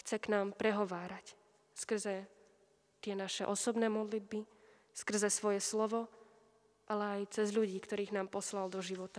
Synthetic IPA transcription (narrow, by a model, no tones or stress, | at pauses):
xt͡sɛknaːmpɾɛɦɔʋaːɾac | skr̩zɛ | t̪ɪɛnaʃɛ̰ʔɔsɔbnɛːmɔd̪lid̪̚bi | skr̩zɛsʋɔjɛslɔʋɔ | ʔalɛajt͡sɛzʎuɟiːkt̪ɔɾiːɣnaːmpɔslald̪ɔʒiʋɔt̪a